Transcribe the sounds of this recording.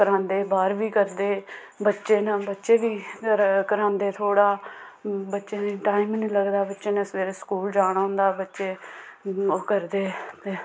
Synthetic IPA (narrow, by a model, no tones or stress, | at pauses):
kəɾãːnd̪eːbaːɾʋiːkəɾd̪eː | bətːʃeːnabətːʃeːʋiːkəɾãːnd̪eːt̪ʰoːɽaː | bətːʃeːnːʈaːɪmnĩːləɡd̪aːbətːʃeːnəsʋeːɾeskuːld͡ʒaːɽ̃aːɦʊ̃nd̪aːbətːʃeː | oːkəɾd̪eːt̪eː